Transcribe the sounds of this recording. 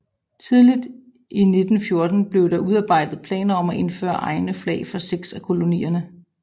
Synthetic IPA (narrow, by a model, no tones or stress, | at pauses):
t͡sʰið̞ˠlid̥ | ʔine̝d̥n̩fjo̝ɐd̥n̩b̥le̝ʊd̥ɑ̈uð̞ˠɑ̈ːb̥ɑ̈ɪ̰d̥ð̩ˠpʰlɛ̰ːnɐɒ̽mæʔe̝nfø̰ːɐʔɑ̈ɪnəflɛ̰ɪfɒseɡ̥sækʰo̝lo̝nḭːɐnə